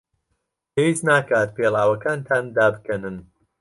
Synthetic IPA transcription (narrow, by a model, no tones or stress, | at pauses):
pʰewiːznaːkaːt̪̚pʰeːlˠaːwɐkaːnt̪ʰaːnd̪aːbɨkɐnɨn